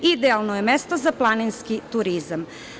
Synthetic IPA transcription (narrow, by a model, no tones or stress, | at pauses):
id̪ealˠnojemest̪o̞zaplˠaninskit̪uɾizam